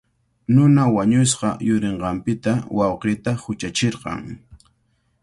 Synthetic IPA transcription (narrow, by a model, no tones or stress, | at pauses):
nʊnawaɲʊsqɑjʊɾeɴɢɑmpɪt̪awʔɑwqɪt̪ahʊt͡ʃat͡ʃeɾqɑ̰ŋ